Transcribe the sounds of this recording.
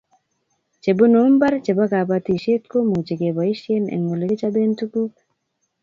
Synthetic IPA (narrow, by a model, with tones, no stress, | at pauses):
t͡ʃe˨bo˦nombaɾt͡ʃe˨baɡa˨bat̪iʃe˦t̪ko˦mu˨t͡ʃe˨ɡe˨bai˦ʃienḛŋːo˨le˨ɡe˦t͡ʃabent̪uku